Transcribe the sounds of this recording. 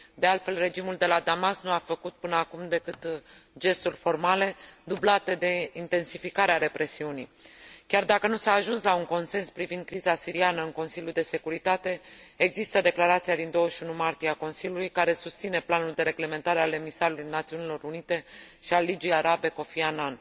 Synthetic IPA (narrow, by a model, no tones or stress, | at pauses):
d̪e̞alt̪fe̞lre̞d͡ʒimuld̪e̞lad̪amasnuafəkut̪̚pɨnəakumd̪e̞kɨt̪d͡ʒe̞st̪ulʲfo̞rmale̞d̪ublat̪e̞d̪e̞int̪e̞nsifikaɾeaɾe̞pɾe̞siunijkʲard̪akənusaːʒunslauŋko̞nse̞nspɾivind̪kɾizasiɾianəɨŋko̞nsiljuld̪e̞se̞kuɾit̪at̪e̞eɡzist̪əd̪e̞klaɾat̪sijad̪ind̪o̞wəʃunumart̪ieako̞nsilʲjulujkaɾe̞sust̪sine̞planuld̪e̞ɾe̞ɡle̞me̞nt̪aɾe̞ale̞misaɾulujnat̪siunilo̞ɾunit̪e̞ʃialid͡ʒijaɾabe̞ko̞fianan